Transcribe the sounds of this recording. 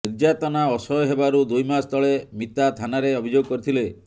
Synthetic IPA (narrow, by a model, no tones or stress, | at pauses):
niɾd͡ʒat̪ɔnaɔsɔjɔɦebaɾud̪ujmast̪ʰɔɭemit̪at̪ʰanaɾeɔbʱid͡ʒoɡɔkɔɾit̪ʰile